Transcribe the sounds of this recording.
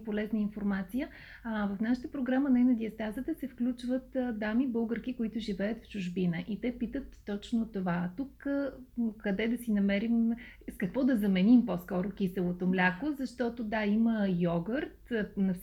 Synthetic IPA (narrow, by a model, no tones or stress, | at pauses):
polɛznəinfoɾmat̪sijə | vɐfnaʃə̥t̪əpɾoɡɾamənajnɐd̪ʲiɐst̪azət̪əsɛfklʲut͡ʃvət̪d̪amibɤlˠɡəɾkikoit̪ʊʒivɛət̪ft͡ʃʊʒbinəʔit̪ɛpit̪ət̪ːɔt͡ʃnot̪ovat̪uk | kɐd̪ɛd̪ɐsinɐmɛɾimskɐkvɔd̪ɐzɐmɛnimposkɔɾʊkʲisəlˠot̪omlʲakozɐʃt̪ɔt̪od̪aiməjɔɡəɾt̪nɐfs